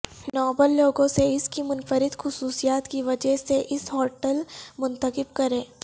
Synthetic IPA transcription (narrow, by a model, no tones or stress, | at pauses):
nɔːbəlːoːɡõseɪskimʊnfəɾɪd̪xʊsuːsijaːt̪kiʋɐd͡ʒəɦseʔɪsɦɔːʈəlmʊ̃nt̪əkɪbkɐɾẽː